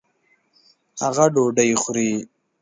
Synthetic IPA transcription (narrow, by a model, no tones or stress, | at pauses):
haɣaɖoɖəjxʊɾi